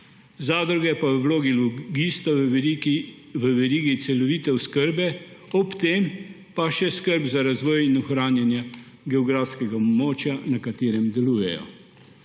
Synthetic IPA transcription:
zaːd̪ɾuɡɛpaʋəwloːɡiluɡiːst̪ɔ | ʋəʋɛɾiːɡisɛlɔʋiːt̪ɛwskəɾbɛɔpt̪eːm | paʃɛskəɾbzaɾazʋɔːjinɔxɾaːnjanja | ɡɛɔɡɾaːfskɛɡaɔbmɔːt͡ʃjanakat̪eːɾɛmd̪ɛluːjɛ̰jɔ̰

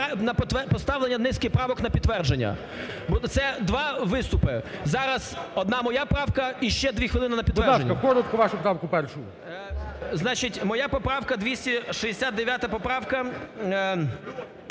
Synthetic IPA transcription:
nɐpt̪ʋɛpɔst̪ɑʋlˠenʲːɐd̪nɪsʲkɪxpɾɑʋɔknɐpʲid̪ːʋɛrd͡ʒenʲːɐ̰ | bɔt̪sɛd̪ʋɑʋɪst̪ʊpɪzɑɾɐz̥ɔd̪nɑmɔjapɾɑwkɐiʃt͡ʃɛd̪ʲʋʲixʋɪlˠɪnɪnɐpʲid̪ʋɛnʲːɐkɔɾɐt̪̚kʊʋɑʃʊpɾɑwkʊpɛrʃʊjʊ | znɑt͡ʃɪtʲmɔjapɔpɾɑwkɐd̪ʋʲisʲtʲiʃiesʲad̪d̪eʋʲjat̪ɐpɔpɾɑwkɐ

